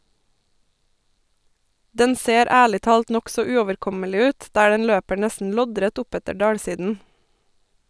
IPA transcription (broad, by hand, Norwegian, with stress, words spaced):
ˈdɛn ˈseːɾ ˈæːɭɪ ˈtɑːlt ˈnɔksɔ ˈʉːɔʋəɾˌkɔməlɪ ˈʉːt ˈdæː ˈdɛn ˈløːpə ˈɳɛsn̩ ˈlɔˌdɾɛt ˈʊˌpɛtə ˈɖɑːɽˌsiːdn̩